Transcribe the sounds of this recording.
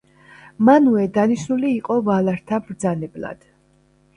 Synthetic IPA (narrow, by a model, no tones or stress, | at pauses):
manuɛd̪aniʃnuliːqʼɔvalˠaɾt̪ʰabɾd̪zanɛblˠa̰d̪̥